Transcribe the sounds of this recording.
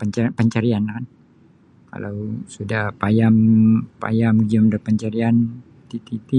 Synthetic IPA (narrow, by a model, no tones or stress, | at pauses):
pəɲt͡ʃapəɲt͡ʃaɾianakan | ka̰lawsudahpajampa̰jamɡiɔmdəpəɲt͡ʃaɾian | t̪it̪it̪i